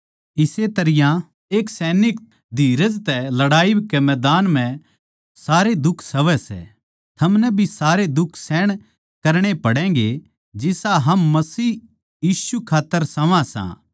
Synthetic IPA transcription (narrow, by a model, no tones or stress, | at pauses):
ɪset̪ɐɾɪjã | eːksɛːnɪk | d̪ʱiːɾəd͡ʒt̪ɛlɐɽaːikemɛːd̪aːnm̤ɛ̃ | saːɾed̪ʊkʰsɐʋɛsɛ̰ | t̪ʰɐmnɛbʱisaːɾed̪ʊkʰːsɛːɽ̃ | kɐɾɽ̃epɐɽɛ̃ːɡe | d͡ʒɪsaɦɐmːɐsiː | jiːsukʰaːt̪ːəɾsɐʋãsã̰